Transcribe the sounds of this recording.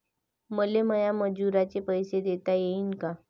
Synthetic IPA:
məleməjaməd͡ʑuɾat͡ɕepəjsed̪et̪ajeinka

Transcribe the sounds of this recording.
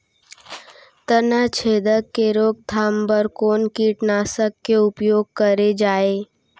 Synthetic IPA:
t̪ənat͡ʃʰeːd̪əkːeɾoːɡ̚d̪ʱaːmbəɾkoːnkiʈnaːsəkːeʊpjoːɡ̚kəɾed͡ʒaːeː

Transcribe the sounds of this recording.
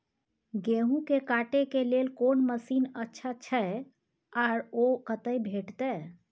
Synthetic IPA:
ɡeɦũkekaʈekelelkonməsinətːʃʰat͡ʃʰəe | aɾokət̪əjbʱeʈt̪ɛ

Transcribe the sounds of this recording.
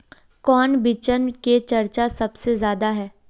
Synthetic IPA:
kɔːnbɪt͡ʃənket͡ʃɐɾt͡ʃasɐbsezjaːd̪aɦɛː

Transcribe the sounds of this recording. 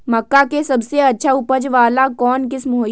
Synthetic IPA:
mɐkːakesɐbseɐtːʃʰaʊpəd͡ʒʋaːlakɔːnkɪsmɦoː

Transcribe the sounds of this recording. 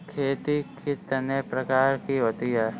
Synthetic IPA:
kʰeːt̪ikʰit̪ɐnepɾɐkaːɾkiɦoːt̪iɦɛː

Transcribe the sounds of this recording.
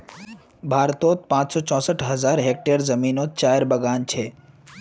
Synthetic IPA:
bʱaːɾt̪oːt̪̚pãːt͡ʃsɔːt͡ʃɔ̃səʈʰɦəzaːɾɦek̚ʈeɾzəmiːnot̪̚t͡ʃaːjɾbəɡaːnt͡ʃʰeː

